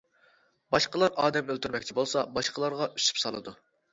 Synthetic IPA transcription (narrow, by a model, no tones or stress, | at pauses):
bɑʃqəlˠɑɾɑːd̪ɛmølt̪ʰyɾmɛkʲt͡ʃʰibolˠsɑbɑʃqəlˠɑɾʁɑʔyʃy̥psɑlˠɨ̰d̪u